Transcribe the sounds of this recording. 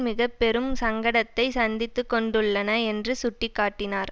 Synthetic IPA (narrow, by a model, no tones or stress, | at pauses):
mɪɣɐpːɛɾɯmsɐŋɡɐɽɐt̪ːɐɪsɐnd̪ɪt̪ːɯkːɔɳɖɯɭːɐnɐɛndrɯsʊʈːɪkːaːʈːɪnaːɾ